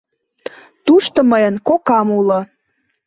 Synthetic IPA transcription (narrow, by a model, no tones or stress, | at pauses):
t̪uʃt̪oməjənkokɑmulə